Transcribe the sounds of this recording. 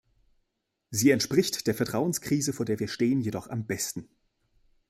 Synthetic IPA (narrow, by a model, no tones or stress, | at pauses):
ziːɛntʃpʁ̥ɪçtd̥eːɐfɛɐtʁ̥aʊənskʁ̥iːzəfoːɐdeːɐviːɐʃteːənjedɔχa̰mbɛstn̩